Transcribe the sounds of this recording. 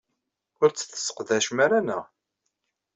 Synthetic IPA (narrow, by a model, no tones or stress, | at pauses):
ʊɾt͡sːθə̥sːə̥qðæʃmæɾanə̰